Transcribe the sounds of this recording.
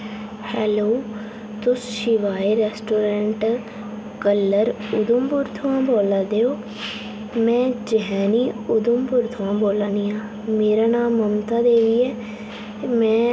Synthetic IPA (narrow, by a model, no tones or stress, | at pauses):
hɛːloː | t̪ʊsʃɪʋaːeːɾɛːsʈoːɾɛ̃ːɳʈ | kəlːəɾʊd̪ʊmbʊɾt̪ʰʊãːboːlaːd̪eːoː | mɛ̃ːd͡ʒəɦɛ̃ːniːʊd̪ʊmbʊɾt̪ʰʊʋãːboːlaːniːãː | meːɾaːnaːmːəmt̪ãːd̪eːʋiːɛː | mɛ̃ː